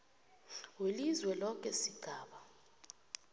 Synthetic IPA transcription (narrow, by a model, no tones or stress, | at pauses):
welizwɛlɔk̬ʼɛsiɡ̥ʱaːɓa